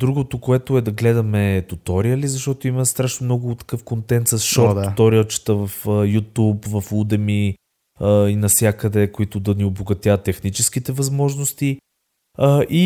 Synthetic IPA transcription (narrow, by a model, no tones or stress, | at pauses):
d̪ɾuɡot̪ʊkoɛt̪ʊɛd̪ɐɡlɛd̪ɐmɛt̪ut̪ɔɾijəlizɐʃt̪ɔt̪oiməst̪ɾaʃnʊmnɔɡʊt̪ɐ̥kɤfkont̪ɛnt̪sɐsʃɔɾt̪d̪ːt̪ɔɾit͡ʃɛ̥t̪əvɐfəjut̪upvɐfud̪ɛmi | əinɐfsʲjakəd̪ɛkoit̪ʊd̪ɐnioboɡɐt̪jat̪ːɛxnit͡ʃɛsk̟it̪ɛvɐzmɔʒnost̪i | əʔi